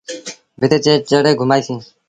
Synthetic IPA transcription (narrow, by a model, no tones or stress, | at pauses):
bɪt̪eːt͡ʃeːt͡ʃəɽeːɡʱʊmaːjsĩː